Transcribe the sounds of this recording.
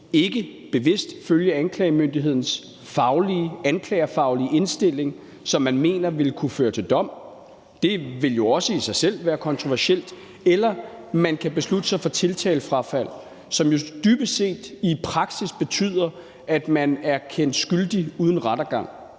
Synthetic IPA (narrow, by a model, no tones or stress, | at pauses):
e̝ɡ̥əb̥e̝ʋe̝sd̥føljəænkʰlɛːɪəmønd̥iɦe̝ð̰ˠn̩s | fɑ̈ʊliænkʰlɛːɐfɑ̈ʊliəe̝nsd̥e̝l̰e̝ŋ | sɒ̽mːænme̝̰ːnɐʋe̝lkʰuføːɐt͡sʰe̝ld̥ɒ̽m̰ | d̥e̝ʋe̝ljo̝ɒ̽səisɑ̈ɪsel̰ʋæːɐkʰɒ̽nt͡sʰʁoʋæɐsel̰d̥ | elɐmænkʰæb̥e̝slud̥əsɑ̈ɪfɒ̽t͡sʰe̝lt͡sʰɛ̰ːlfʁɑ̈fæl̰ | sɒ̽mjo̝d̥yːb̥əse̝̰ːd̥ipʰʁɑ̈ɡ̥sisb̥e̝t͡sʰy̰ð̰ˠɐ | æd̥mænæɐkʰen̰d̥sɡ̥yld̥iuːð̞ˠən̩ʁɑd̥ɐɡ̥ɑ̈ŋ̰